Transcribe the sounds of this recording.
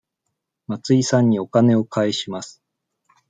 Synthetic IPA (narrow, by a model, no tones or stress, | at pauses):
mat͡sɨisãɲ̟ːio̞kane̞o̞kʰaeɕimasɨ̥